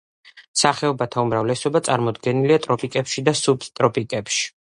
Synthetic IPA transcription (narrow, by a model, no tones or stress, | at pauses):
saχɛɔbat̪ʰaumɾavlɛsɔbat̪sʼaɾmɔd̪ɡɛniliat̪ʼɾɔpʼikʼɛpʃid̪asupst̪ʼɾɔpʼikʼɛpʃi̥